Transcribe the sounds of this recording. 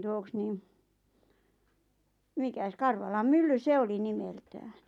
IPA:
tuoks niːm mikæs kɑrʋɑlɑm mylːy se oli nimeltæːn̥

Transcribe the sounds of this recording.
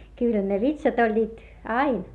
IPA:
kyˑlh̆æ̆ ne ʋitsɑt olʲːiːt ɑin

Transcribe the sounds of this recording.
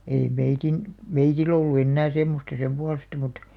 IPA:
ei meitin meitil olːu enːæː semːostɑ sem puɑlestɑ mut

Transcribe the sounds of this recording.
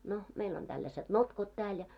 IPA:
no meil on tælːæsed̥ notkot tæːl jɑ

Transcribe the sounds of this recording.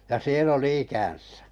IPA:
jɑ sielː oli ikæn̞sæ̥

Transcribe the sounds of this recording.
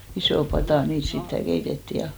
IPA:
isoˑ pɑtɑˑ niːt sitːæ keitetːiˑ jɑ

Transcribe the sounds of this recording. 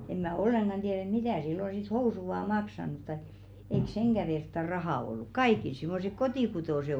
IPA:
em mæˑ olːeŋɡ̊ɑn d̥ieˑr et mitæˑ silːo sit housu ŏʋɑˑ mɑksɑnut tɑĭk̆ eik seŋɡ̊æ ʋertːɑ rɑhɑˑ olːuk kɑikil simːosek kotiˑkutoˑse

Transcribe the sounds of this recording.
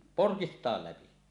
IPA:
porkistˑɑˑel læpi

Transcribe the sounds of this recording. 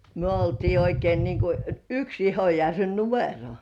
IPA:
myø oltiː oikein niŋku yks ihojærʋe numero

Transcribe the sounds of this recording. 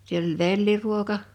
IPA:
siel olʲ ʋelːiruokɑ

